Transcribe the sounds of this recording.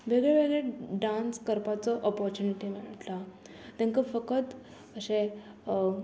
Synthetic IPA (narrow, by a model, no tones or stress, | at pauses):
ʋeɡɭeʋeɡɭeɖanskəɾpat͡sɔʔɔpɔɾt͡ɕuniʈimiɭət̪la | t̪ɛ̃ŋkəfəkət̪ | əɕẽ